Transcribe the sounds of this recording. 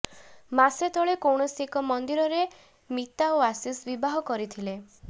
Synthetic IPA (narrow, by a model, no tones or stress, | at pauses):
maset̪ʰɔɭekowɳ̃ɔsikɔmɔnd̪iɾɔɾe | mit̪aoasisbibaɦɔkɔɾit̪ʰile